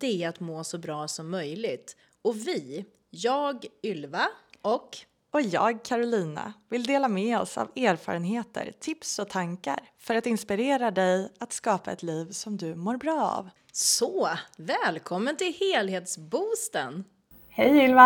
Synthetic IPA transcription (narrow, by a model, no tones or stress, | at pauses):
d̪̥ɛæat̪moːsɔbɾɑːsɔmːœjlɪɡt̪ | ɔvɪ | jɑːɡʏlvaɔk | ɔjɑ̰ːɡkʰaɾʊliːna̰vɪld̪eːlamɛɔsa̰veːɾfɑ̰ːɾənɦeːt̪ʰə̰ɾt̪ʰɪpsɔt̪ʰaŋka̰ɾfœɾat̪ɪnspɪɾeːɾad̪ɛjat̪skɑːpaɛt̪liːvsɔmd̪ɵmoːɾbɾɑːa̰v | sɔvɛːlkʰɔmːənt̪ʰɪlheːlheːt̪sbuːst̪ən | hɛjʏlva